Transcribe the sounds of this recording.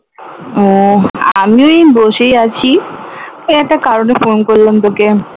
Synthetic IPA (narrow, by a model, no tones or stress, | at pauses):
oa̰mioeboʃejat͡ɕʰi | ɛk̚ʈakaɾonefonkoɾlend̪oke